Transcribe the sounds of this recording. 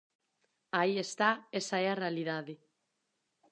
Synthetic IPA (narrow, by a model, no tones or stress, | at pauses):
aiest̪aesaearealiðaði